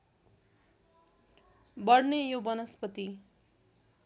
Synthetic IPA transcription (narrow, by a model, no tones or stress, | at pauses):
bʌɽnejobʌnʌspʌt̪i